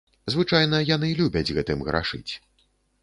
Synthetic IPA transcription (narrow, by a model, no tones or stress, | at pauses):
zvɨt͡ʂajnɐjanɨlʲubʲɐd͡zʲɣɛt̪ɨmɣɾʔa̰ʂɨ̰t͡sʲ